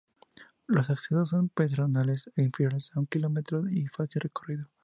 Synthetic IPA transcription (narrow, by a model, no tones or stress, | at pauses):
lo̞saksiðosːompet̪ɾonaleseinfeɾjolesauŋkilomet̪ɾoifasilrekoriðo